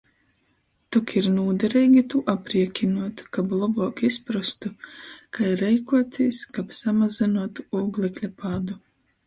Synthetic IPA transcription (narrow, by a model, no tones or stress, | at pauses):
t̪ɔkiɾnuːd̪ɛɾijɡʲit̪uʔapɾiɛkʲinuɔt̪u̥kablˠɔbɔːkispɾust̪ukajɾɛjkuɔt̪iskapsamazinuɔt̪u̥uɡlʲˠɛklʲapad̪u